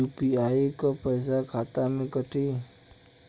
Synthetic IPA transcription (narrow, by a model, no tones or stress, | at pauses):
upiaikəpajs̬akʰat̪amekəʈi